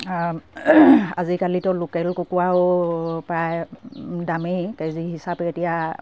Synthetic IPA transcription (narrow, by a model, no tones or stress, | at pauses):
a̰zikalitɔlokɛlkukuwaopɹajdamikeziɦisapɛetija